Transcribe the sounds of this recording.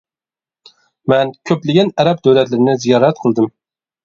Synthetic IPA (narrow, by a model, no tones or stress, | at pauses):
mɛnkʲʰøplɪɡʲɛnæɾɛp̚d̪øwlɛt̪lɪɾɪnɪzijɑːɾɛt̪̚qʰəlˠd̪ɨm